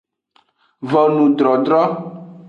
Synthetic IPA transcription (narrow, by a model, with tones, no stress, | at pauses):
vɔ˨nũ˨ɖɾɔ˨ɖɾɔ˦